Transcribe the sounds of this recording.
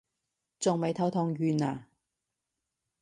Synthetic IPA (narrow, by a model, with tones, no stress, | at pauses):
t͡sʊ˨ŋme˨˧jt̪ʰɐ˨˧˥wt̪ʰɔ˨˧ŋjyː˨naː˨